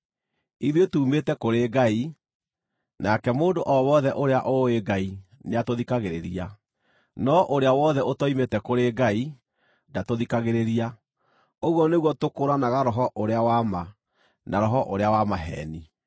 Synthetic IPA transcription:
iðietuːmetɛkoɾeɡai | nakɛmoːndoʔɔwɔðɛʔoɾeaʔoeɡaineatoðikaɣeɾeɾia | nɔʔoɾeawɔðɛʔotɔimetɛkoɾeɡai | ndatoðikaɣeɾeɾia | oɣwɔneɣwɔtokoɾanaɣaɾɔɦɔʔoɾeawama | nʔaɾɔɦɔʔoɾeawamaɦɛ̰ni

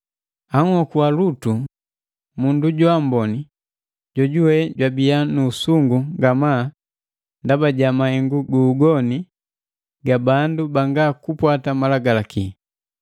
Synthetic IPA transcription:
aŋhɔkualutu | munduɟuambɔni | ɟɔɟuwɛɟwabianuːsuŋɡuŋɡama | ndabaɟamahɛŋɡuɡuːɡɔni | ɡabandubaŋɡakupwatamalaɡalaki

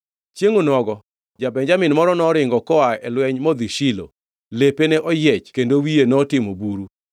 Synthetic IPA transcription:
t͡ʃjeŋonɔɡɔ | d͡ʒabɛɲd͡ʒamɪnmɔɾɔnɔɾɪŋɡɔkɔaɛlwɛɲmɔd̪iʃilo̰ | lepenɛʔɔjɛt͡ʃkendowienɔtɪmobuɾu

